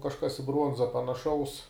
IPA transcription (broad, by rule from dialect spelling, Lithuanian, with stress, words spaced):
kɐʃˈkɐs ɪ ˈbruɔnzɐ pɐnɐˈʃɐʊs